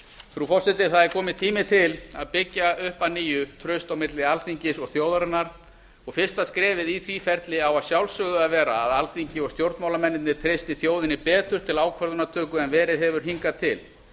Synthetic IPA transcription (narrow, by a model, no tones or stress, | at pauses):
fɾufɔsɪt̪ɪθaðɛɾkʰɔːmɪt̪ʰiːmɪt̪ʰɪla̰ðpɪcːaʏhpaniːjʏt̪ʰɾœɥst̪awmɪt̪lɪalt̪iɲcɪsɔɣθjoːwðaɾɛnːaɾ̥ | ɔɣfɪr̥st̪askɾɛːvɪðiθvifɛɾt̪lɪawaðsjawlsʏɣðʏaðvɛːɾaːðalt̪iɲcɪɔɣst̪jowɾt̪mawlamɛnːɪt̪nɪt̪ʰɾejst̪iθjoːwðɪnɪpɛːt̪ʏɾ̥t̪ʰɪlaːwkʰœɾðʏnat̪ʰœːkʏɛnvɛːɾɪðɦɛvʏɾ̥ɦiŋkat̪ʰɪ̰l